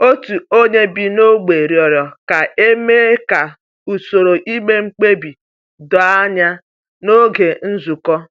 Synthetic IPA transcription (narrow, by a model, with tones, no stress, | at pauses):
o˦tu˨o˦ɲe˦bi˨no˦ɡ͡be˨ɾjɔ˨ɾjɔ˨ka˨e˦me˦ka˨ | u˨so˨ɾo˨ʔi˦me˦ŋ͡m̩˦k͡pe˦bi˨ | dɔ˨a˦ɲa˦ | no˦ɡe˨n̩˦zu˨kɔ˦